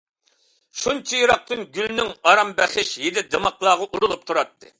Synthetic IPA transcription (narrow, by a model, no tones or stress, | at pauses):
ʃunt͡ʃʰijiɾɑq̚t̪ɨnɡʲylnɪŋɑɾɑmbæχɪʃjed̪ɪd̪emɑqlˠɑːʁɑʔuɾulˠup̚t̪ʰuɾɑt̪ʰːɨ